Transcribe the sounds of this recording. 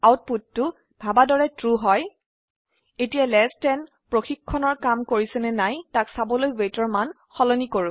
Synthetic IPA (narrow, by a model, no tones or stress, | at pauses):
awt̚putːʊ | b̥ʱabadɔɹɛtɹuɦɔj | etijalɛstɛn | pɹoxikʰːɔnɔɹkamkoɹisɛnɛnajtaksabɔlojwejtɔɹman | xɔlɔnikoɹʊ̃